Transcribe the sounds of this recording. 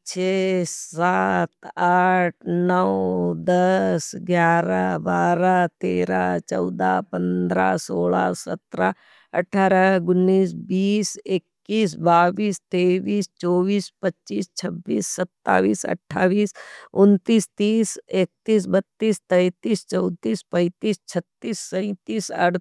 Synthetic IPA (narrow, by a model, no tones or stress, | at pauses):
t͡ʃʰeːaːt̪aʈʰnəwd̪ɐsɡjaːɾabaːɾat̪eːɾat͡ʃɔːd̪apə̃nd̪ɾa̰soːɭa̰sɐ̰t̪ɾa | ɐ̰ʈʰaːɾaɡʊnːiːsbiːsekːiːsbaːbiːst̪eːʋiːst͡ʃɔːbiːspətːt͡ʃiːst͡ʃʰɐbːiːsːɐt̪ːa̰ːʋiːsɐ̰ʈʰːa̰ːʋiːsʊnt̪iːst̪iːseːk̚t̪iːsbɐt̪ːiːst̪ɛɪt̪iːst͡ʃɔːt̪iːspə̃ɪt̪iːst͡ʃʰɐt̪ːiːsːə̃ɪ̃t̪iːsɐ̰ɽ